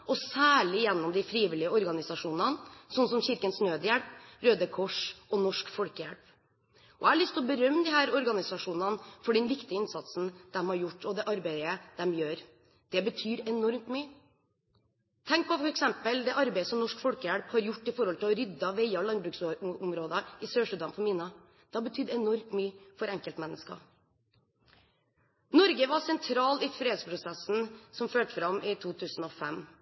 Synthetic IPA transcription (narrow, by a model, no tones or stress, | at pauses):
ʔɔsæːɭɪjɛnːɔmd̪ɪfɾiːʋɪlɪəɔɾɡɑnɪsɑʂuːnɑnsɔnːsɔmçɪɾkənsnøːd̪əjæɽpɾøːd̪əkʰɔʂʔɔnɔʂkfɔlkəjæ̰ɽp | ʔɔæɭɪst̪ːɔbəɾœmd̪ɪhæːɾɔɾɡɑnɪsɑʂuːnɑnfɔɖɛnʋɪkt̪ɪəɪnsɑt̪sn̩d̪̥ɛmhɑɾjʊʈːɔd̪ɛʔɑɾbæɪəd̪̥ɛmjøːɾ | d̪̥ɛbət̪ʰyːɾɛnɔɾmt̪myːə | t̪ʰɛŋk̚pʰɔfɔɾɛksɛmpəld̪ɛʔɑɾbæɪəsɔmnɔʂkfɔɽkəjæɽphɑɾjʊʈːɪfɔɾhɔlt̪ʰɪlɔɾʏd̪ːɑʋeɪɑɔlɑnbɾʉːksʊmɾoːd̪əɪsøːʂʉd̪ɑmfɔmɪnɑ | d̪̥ɛhɑbət̪ʰyːd̪ɛnɔɾmt̪myːəfɔɾɛŋkəlt̪mɛnːəskɑ̰ | nɔɾɡəʋɑsɛnt̪ʰɾɑːlɪfɾeːd̪spʰɾʊsɛsn̩sɔmføːʈəfɾɑmʔɪt̪ʰuːt̪ʰʉːsn̩ɔfɛm